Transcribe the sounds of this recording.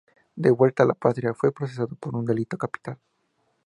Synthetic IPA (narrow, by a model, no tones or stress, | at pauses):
d̪eβwe̞lt̪alapat̪ɾjafwe̞pɾo̞ses̬aðopo̞ɾund̪e̞lit̪o̞kapi̥t̪al